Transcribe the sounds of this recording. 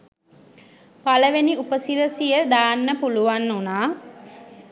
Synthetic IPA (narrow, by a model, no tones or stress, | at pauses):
paləʋeniupəsiɾəsijəd̪aːnːəpuluʋanːunaː